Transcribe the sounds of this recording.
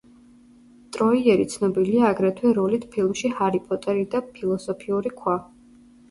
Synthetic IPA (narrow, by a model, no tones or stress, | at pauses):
t̪ʼɾɔiɛɾit̪sʰnɔbiliaːɡɾɛt̪ʰwɛɾɔlit̪ʰpʰilˠmʃihaɾipʼɔt̪ʼɛɾid̪apʰilˠɔsɔpʰiuɾikʰwa